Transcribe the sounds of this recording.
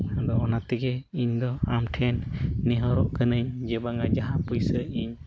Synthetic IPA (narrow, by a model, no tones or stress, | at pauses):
adɔɔnat̪iɡɛiɲd̪ɔamtʰɛnːiɦɔɾɔʔkʰənɯɲd͡ʒɛbaŋad͡ʒaɦapujsəiɲ